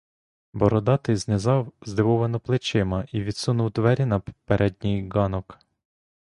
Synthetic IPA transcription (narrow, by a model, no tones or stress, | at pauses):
bɔɾɔd̪ɑt̪ɪjznezɑwzd̪ɪʋɔʋɐnɔplˠɪt͡ʃɪmɐiʋʲid̪sunuwt̪ʋɛɾʲinɐpeɾʔɛdʲnʲijɡɑnɔk